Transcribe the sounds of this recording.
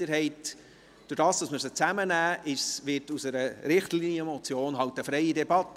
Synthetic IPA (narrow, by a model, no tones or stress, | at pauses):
əɾɦɛɪt | d̥ʊɾd̥ɑːsd̥ɑsməɾsət͡sæmənæːʔɪsʋɪtusəɾəɾɪχtliniəmɔt͡sjoːnɦɑwtəfɾɛɪədɛbɑt̪ː